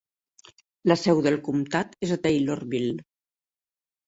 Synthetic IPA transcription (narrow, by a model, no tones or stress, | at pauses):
ləsɛwðəlˠkumt̪at̪ezət̪ejlorβil